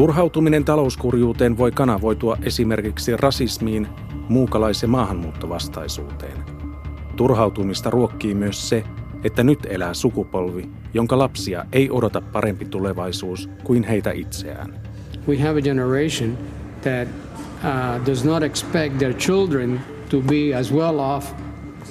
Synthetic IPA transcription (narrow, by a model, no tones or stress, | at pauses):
t̪urɦɑwt̪umine̞nt̪ɑlo̞uskurjuːt̪e̞ːnʋo̞jkɑnɑʋo̞jt̪uɑʔe̞sime̞rkiksirʔɑsismiːn | muːkɑlɑjseːmɑːɦɑmːuːt̪ːo̞ʋɑst̪ɑjsṵːt̪e̞̰ːn | t̪urɦɑwt̪umist̪ɑrʔuo̞kːiːmyøsːe̞ | et̪ːænyt̪e̞læːsukupo̞lʋi | jo̞ŋkɑlɑpsiɑ̰ʔe̞jʔo̞dot̪ɑpːɑɾʔe̞mpit̪ule̞ʋɑjsuːskujnɦe̞jt̪æ̰ʔit̪se̞̰æ̰ːn | wiævɨd͡ʒɛnəɹeɪʃɨ̃n | ðæt̚ | dʌznəɾɛkspɛk̚t̪̚ðəɹt͡ʃɪlˠdɹɨ̃n | tubiæzwɛlˠɔf